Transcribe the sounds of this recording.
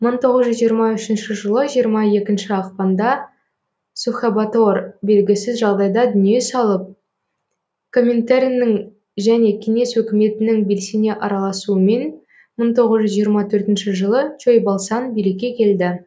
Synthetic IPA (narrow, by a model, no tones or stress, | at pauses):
məɴt̪ʰo̞ʁəzʒʏzʒijəɾmɑʏʃɪnʃɪʒəlˠəʒijəɾmɑe̞kʲɪnʃɪɑqpɑnd̪ɑ | suχabat̪orbe̞lɡʲɪsɪzʒɑʁd̪ɑjd̪ɑd̪ʏnije̞sɑlˠəp̚ | kʰo̞mʲːe̞nt̪aɾijnɪŋ | ʒæne̞kʲʰe̞ŋe̞swɵkʲɪme̞t̪ɪnɪŋbe̞lsene̞ʔɑɾɑlˠɑsuəme̞n | məɴt̪ʰo̞ʁəzʒʏzʒijəɾmɑt̪ʰɵɾt̪ɪnʃɪʒəlˠət͡ʃʰojbɑlˠsɑnbelekʲe̞kʲʰe̞ld̪ɪ